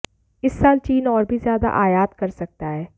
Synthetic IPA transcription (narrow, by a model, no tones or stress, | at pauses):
ɪsːaːlt͡ʃiːnɔːɾbʱizjaːd̪a̰ʔaːjaːt̪kɐɾsɐk̚t̪aɦɛː